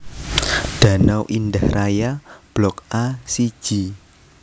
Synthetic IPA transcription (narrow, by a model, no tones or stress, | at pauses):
ɖ̥a̤nawʔindahrajab̥lɔk̚asi̥ʒ̥i